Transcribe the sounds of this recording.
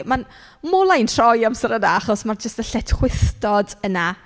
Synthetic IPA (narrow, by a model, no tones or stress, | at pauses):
man | moːlˠajntʰrɔjamsəɾənaaχɔsmard͡ʒəstəɬɛtʰχwɪθtɔdəna